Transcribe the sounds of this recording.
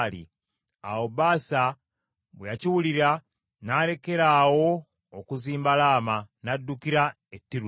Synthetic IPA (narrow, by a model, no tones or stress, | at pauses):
lḭ | a̰wobaːsa | βwejaciwuliɾa | naːle̞ke̞ɾaːwo̞ː | kuziːmbalaːmanadːukiɾa | etːiɾu